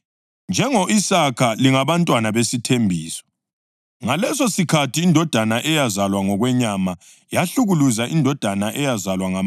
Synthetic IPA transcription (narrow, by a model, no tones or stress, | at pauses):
nd͡ʒʱɛŋɔʔisakʰaliŋaβantʼwanaβesitʰembʱiːsɔ̥ | ŋalɛsosikʰatʰiːndʱɔd̥ʱanaʔɛjazalwaŋɔɣwɛɲama | jaɬuɣuluzaʔindʱɔd̥ʱanaʔɛjazalwaŋa